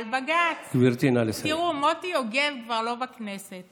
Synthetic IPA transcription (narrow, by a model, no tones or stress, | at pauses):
lbaɡat͡skbiɾt̪inalesiʁumotioɡevkvaʁlo̞bakneset̪